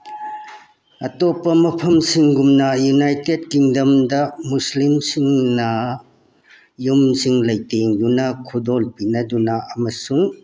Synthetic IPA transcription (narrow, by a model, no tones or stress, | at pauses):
ɐtopːɐmɐpʰɐmsiŋɡumnɐjunajted̚kiŋdɐmdɐmuslimsiŋnɐ | jumsiŋlɐjteŋjunɐkʰudolpinɐdunɐʔɐmɐsuŋ